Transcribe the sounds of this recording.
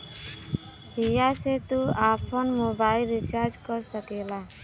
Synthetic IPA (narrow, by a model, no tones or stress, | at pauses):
ɦijaset̪uaːpʰənmoːbaːɪlɾit͡ʃaːɾd͡ʒkəɾsəkeːlaː